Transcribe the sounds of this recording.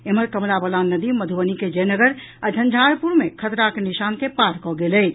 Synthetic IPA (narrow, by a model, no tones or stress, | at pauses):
eməɾkəmlabəlanəd̪iməd̪ʱubəniked͡ʒənəɡəɾ | ad͡ʒʱə̃nd͡ʒʱaɾpuɾmekʰət̪ɾakeniʃankepaɾkɔɡelɛj